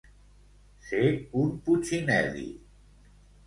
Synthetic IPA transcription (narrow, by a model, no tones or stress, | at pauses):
seunput͡ɕʰinɛ̰ðḭ